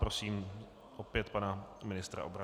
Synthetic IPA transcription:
ɾosiːm | ʔopjɛt̪panamɪnɪst̪ɾa̰ʔo̞bɾa

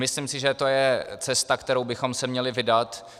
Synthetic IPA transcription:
mɪslimsɪʒɛt̪o̞jɛt͡sɛst̪akt̪ɛɾowbɪxo̞msɛmɲɛlɪvɪdat̪

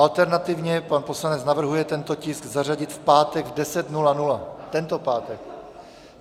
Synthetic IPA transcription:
ʔalt̪ɛɾnat̪ɪvɲɛpanpo̞slanɛt͡snavr̩ɦujɛt̪ɛnt̪o̞cɪsɡzar̝aɟɪt̪fpaːt̪ɛɡvdɛsɛt̪nulanulat̪ɛnt̪o̞paːt̪ɛk

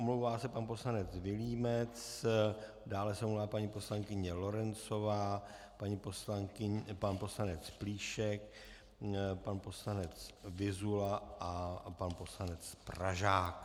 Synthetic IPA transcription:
ʔomlowvaːsɛpanpo̞slanɛt͡svɪliːmɛt͡s | daːlɛsɛʔomluvaːpaɲipo̞slaŋkɪɲɛlo̞ɾɛnt͡so̞vaː | paɲiposlaŋkɪpanpo̞slanɛt͡spliːʃɛk̚ | panpo̞slanɛt͡svɪzulaʔapanpo̞slanɛt͡spraʒaːk

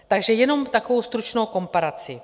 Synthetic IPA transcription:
t̪aɡʒɛjɛnomt̪akovowst̪ɾut͡ʃnowko̞mpaɾat͡si

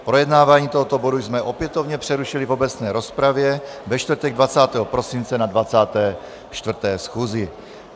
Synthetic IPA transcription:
pɾo̞jɛdnaːvaːɲiːt̪oɦɔt̪obodujzmɛʔo̞pjɛt̪ovɲɛpr̥ɛɾuʃɪlivobɛt͡snɛːɾo̞spɾavjɛ | vɛʃt̪vrt̪ɛɡ̚dvat͡saːt̪ɛːɦɔpɾosint͡sɛnadvat͡saːt̪ɛː | ʃt̪vr̩t̪ɛːsxuːzɪ

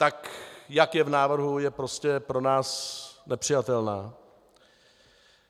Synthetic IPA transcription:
t̪akjakjɛvnaːvr̩ɦujɛpɾo̞scɛpɾo̞naːsnɛpr̝̥ɪjat̪ɛlnaː

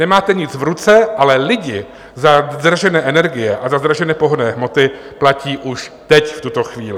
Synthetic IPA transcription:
nɛmaːt̪ɛɲɪt͡svɾut͡sɛʔalɛlɪɟɪ | zad̪raʒɛnɛːʔɛnɛɾɡɪjɛʔazazd̪ɾaʒɛnɛːpo̞ɦodnɛːɦmo̞t̪ɪ | placiːʔuʃt̪ɛcft̪ut̪o̞xviːlɪ

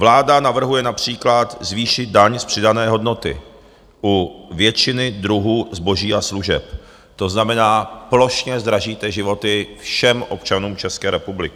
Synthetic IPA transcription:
vlaːdanavr̩ɦujɛnapr̝̥iːklat̪zviːʃɪd̪̚daɲspr̥ɪdanɛːɦo̞dno̞t̪ɪ̰ | ʔuvjɛt͡ʃɪnɪd̪ɾuɦuːzbo̞ʒiːʔasluʒɛ̰p | t̪o̞znamɛnaːplo̞ʃɲɛzd̪ɾaʒiːt̪ɛʒɪvo̞t̪ɪfʃɛmʔo̞pt͡ʃanuːmt͡ʃɛskɛːɾɛpublɪkɪ

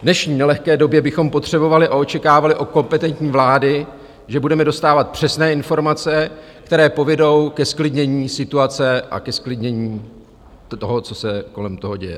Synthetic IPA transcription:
vnɛʃɲiːnɛlɛxkɛːdo̞bjɛbɪxo̞mpo̞t̪r̝̥ɛbo̞valɪʔao̞t͡ʃɛkaːvalɪʔo̞ko̞mpɛt̪ɛnt̪ɲiːvlaːdɪ | ʒɛbudɛmɛdo̞st̪aːvat̪̚pr̝̥ɛsnɛːɪnfo̞ɾmat͡sɛ | kt̪ɛɾɛːpo̞vɛdo̞wkɛsklɪdɲɛɲiːsɪt̪uat͡sɛʔa̰kɛsklɪdɲɛɲiː | oɦo̞t͡sosɛko̞lɛmt̪o̞ɦo̞ɟɛjɛ̰

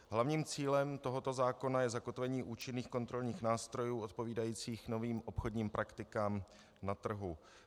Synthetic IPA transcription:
ɦlavɲiːmt͡siːlɛmt̪o̞ɦo̞t̪o̞zaːko̞najɛzako̞t̪vɛɲiːʔuːt͡ʃɪnːiːxko̞nt̪ɾo̞lɲiːxnaːst̪ɾo̞juːʔo̞t̪̚po̞viːdajiːt͡siːxno̞viːmʔo̞pxodɲiːmpɾʔakt̪ɪkaːm | nat̪r̩ɦu

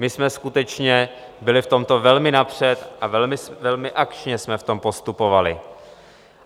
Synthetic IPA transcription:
mɪsmɛskut̪ɛt͡ʃɲɛ | bɪlɪft̪o̞mt̪o̞vɛlmɪnapr̝̥ɛt̪ʔavɛlmɪsvɛlmɪʔakt͡ʃɲɛsmɛft̪o̞mpo̞st̪upo̞valɪ̰

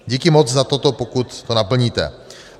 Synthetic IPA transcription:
ɟikimɔd͡zzat̪ɔt̪ɔpɔkut̪ːɔnapl̩ɲiːt̪ɛ̰

